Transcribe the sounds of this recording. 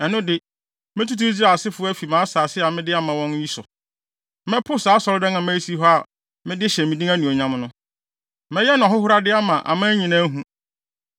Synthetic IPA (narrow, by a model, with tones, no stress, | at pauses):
ɛ˨nʊ̃˦dɪ˦ | mɪ̃˦tu˦tʰu˦d͡ʑi˦ɾa˨sɪ˦fʊ˦ɔ˦æ˦fi˨mã˨˦saː˨sɪ˦a˨mɪ̃˦dɪ˦a˦mã˨wɔ̃˦n˦ji˦sʊ˨ | mɛ̃˦pʰʊ˦saː˨˦sɔ˨ɾdɛ˦nã˨mæ̃˦i˦si˦ɦɔ˦a˨ | mɪ̃˦dɪ˦ɕɛ˨mĩ˨dĩ˦æ˦nũ˨o˨ɲã˦mnʊ̃˦ | mɛ̃˦jɛ˦nʊ̃˨ɔ˨ɦʊ˦hʊ˦ɾa˦dɪ˦a˦mã˨ʔa̰˨mã˦ɲĩ˨nã˦ɦũ˦